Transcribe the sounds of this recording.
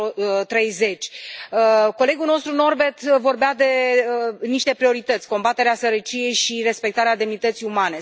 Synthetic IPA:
t̪ɾe̞jze̞t͡ʃʲəko̞le̞ɡulno̞st̪ɾuno̞rbe̞t̪vo̞rbead̪e̞əniʃt̪e̞pɾio̞ɾit̪ət̪sʲko̞mbat̪e̞ɾeasəɾət͡ʃije̞jʃiɾe̞spe̞k̚t̪aɾead̪e̞mnit̪ət̪siumane̞

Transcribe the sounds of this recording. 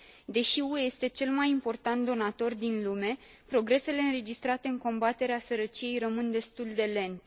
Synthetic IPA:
d̪e̞ʃiueje̞st̪e̞t͡ʃe̞lmajimpo̞rt̪ant̪̚d̪o̞nat̪o̞rd̪inlume̞pɾo̞ɡɾe̞se̞le̞ɨnɾe̞d͡ʒist̪ɾat̪e̞ɨŋko̞mbat̪e̞ɾeasəɾət͡ʃije̞jrəmɨnd̪e̞st̪uld̪e̞le̞nt̪

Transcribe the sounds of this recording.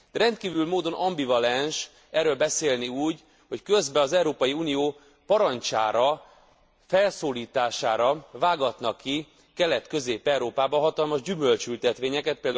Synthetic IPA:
d̪̥ɛɾɛnt̪̚kiːvylmoːd̪o̞nʔɒmbivɒlɛnʃ | ɛrːøːlbɛseːlniuːɟ | ho̞ckø̞zbɛɒzɛuɾoːpɒjiuːnijoː | pɒɾɒɲt͡ʃaːɾɒ | fɛlsoːliːt̪aːʃaːɾɒvaːɡɒt̪nɒkːi | kɛlɛt̪kø̞zeːpɛwɾoːpaːbɒɦɒt̪ɒlmɒʒɟymø̞lt͡ʃylt̪ɛt̪ʋeːɲɛkɛt̪̚peːld̪

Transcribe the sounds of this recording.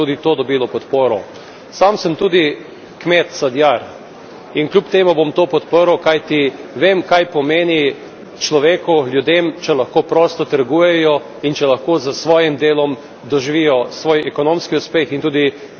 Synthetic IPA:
uːd̪it̪oːd̪ɔbilɔpɔt̪poːɾɔ | samsəmt̪uːd̪i | kmet̪sad̪jaɾ | inklʲjupt̪eːmubomt̪oːpɔt̪pəɾwkajt̪iʋeːmkajpɔmeːni | t͡ʃlɔʋeːkuljud̪emt͡ʃɛlɐxkoːpɾɔːst̪ɔt̪əɾɡuːjɛjɔ | int͡ʃɛlɐxkoːzəsʋɔːjimd̪eːlɔm | d̪ɔʒiʋijɔsʋoːjɛkɔnõmskiuspeːxint̪uːd̪i

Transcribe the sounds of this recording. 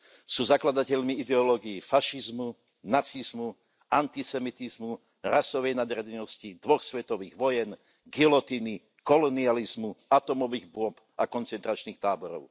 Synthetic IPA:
suːzaklad̪acɛʎmiid̪ɛɔlɔɡiifaʃizmu | nat͡sizmu | ant̪isɛmit̪izmu | ɾasɔʋɛjnad̪ɾɛd̪ɛnɔscid̪ʋɔxsʋɛt̪ɔʋiːɣʋɔjɛn | ɡilɔt̪ini | kɔlɔnializmuat̪ɔmɔʋiːɣbʊɔp | akɔnt͡sɛnt̪ɾat͡ʃniːxt̪aːbɔɾɔ̰ʊ

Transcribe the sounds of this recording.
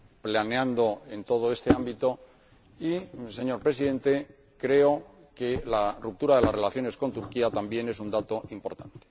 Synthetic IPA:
planeand̪o̞e̞nt̪o̞ð̞o̞e̞st̪e̞ambit̪o̞ | ise̞ɲo̞ɾpɾesiðe̞nt̪e̞ | kɾe̞o | ke̞larup̚t̪uɾaðe̞lasre̞laθjo̞ne̞sko̞nt̪uɾkiat̪ambje̞ne̞s̬und̪at̪o̞ʔimpo̞ɾt̪ant̪e̥

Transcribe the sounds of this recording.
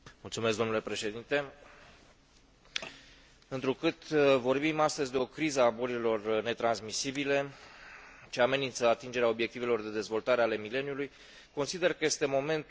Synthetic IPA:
mult̪sumes̬ɡd̪o̞nule̞pɾe̞ʃe̞d̪int̪e̞ | ɨnt̪ɾukɨt̪vo̞rbimast̪əzʲd̪eo̞kɾizəaboɾilo̞rne̞t̪ɾansmisibile | t͡ʃeame̞nint̪səat̪ind͡ʒe̞ɾeao̞bje̞k̚t̪ive̞lo̞rd̪e̞d̪e̞zvo̞lt̪aɾe̞ale̞mile̞njuluj | ko̞nsid̪erkəje̞st̪e̞mo̞me̞nt̪

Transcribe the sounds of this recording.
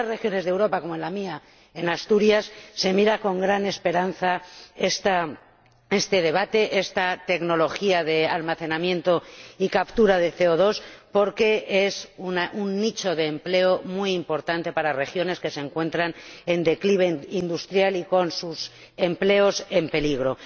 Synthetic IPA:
arexjone̞zðe̞wɾo̞pako̞moenlamia | e̞nast̪uɾjasːe̞miɾako̞ŋɡɾane̞spe̞ɾan̟θae̞st̪a | e̞st̪e̞ð̞e̞β̞at̪e̞ʔe̞st̪at̪e̞kno̞lo̞xiaðe̞almaθe̞namjẽ̞nt̪o̞ikapt̪uɾaðe̞θe̞oð̞o̞spo̞ɾke̞e̞sunaʔunːit͡ʃo̞ðe̞ːmple̞omwujimpo̞ɾt̪ant̪e̞paɾare̞xjo̞ne̞ske̞se̞ŋkwẽ̞nt̪ɾane̞nd̪e̞kliβ̞eind̪ust̪ɾjaliko̞nsus | e̞mple̞o̞se̞mpe̞liɣ̞ɾo̞

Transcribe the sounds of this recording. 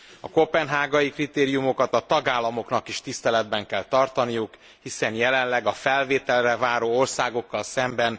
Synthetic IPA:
ɒkopɛnɦaːɡɒjikrit̪eːɾijumo̞kɒt̪ɒt̪ɒɡaːlːɒmo̞knɒkiʃt̪ist̪ɛlɛd̪bɛŋkɛlt̪ɒrt̪ɒnijuk | hisɛnjɛlɛnlɛɡɒfɛlveːt̪ɛlrɛvaːɾoːo̞rsaːɡo̞kːɒlsɛmbɛn

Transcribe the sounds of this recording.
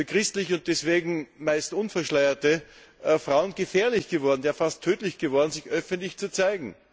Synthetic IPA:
fɐkʁ̥ɪstlɪçʊnt̚d̥ɛsv̥eːɡŋ̩maɪstʔʊnfɛɐʃlaɪɐtə | fʁaʊənɡəfɛːɐlɪçɡ̥əvɔɐdn̩daːfastʰːøːtlɪçɡ̥əvɔɐdn̩zɪçʔœfɛntlɪçt͡sut͡saɪɡŋ̩

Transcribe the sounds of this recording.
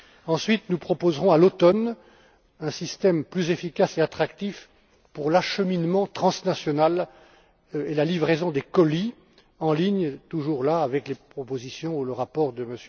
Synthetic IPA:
ɑ̃sɥit̪nupχɔpozʁɔ̃alot̪ɔn | ɛ̃sist̪ɛmplyzefikaseat̪χakt̪if | puʁlaʃəminmɑ̃t̪χɑ̃snasjɔnal | elalivʁezɔ̃d̪ekɔli | ɑ̃liɲt̪uʒuʁlaːvɛklepχɔpozisjɔ̃uləʁapɔʁd̪əməs

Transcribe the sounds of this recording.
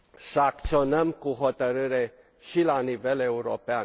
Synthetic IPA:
səak̚t̪sio̞nəmkuɦo̞t̪əɾɨɾe̞ | ʃilanive̞le̞uɾo̞̰pean

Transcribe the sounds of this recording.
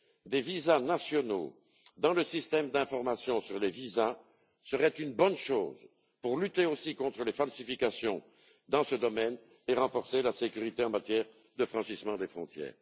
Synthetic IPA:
d̪evizanasjɔno̰ | d̪ɑ̃ləsist̪ɛmd̪ɛ̃fɔʁmasjɔ̃syʁleviza | səʁɛt̪ynbɔnʃoːz | puʁlyt̪eosikɔ̃t̪χəlefalsifikasjɔ̃ | d̪ɑ̃səd̪ɔmɛn | eʁɑ̃fɔʁselasekʲyʁit̪eɑ̃mat̪jɛʁ | d̪əfχɑ̃ʃismɑ̃d̪efχɔ̃t̪jɛ̰ːʁ

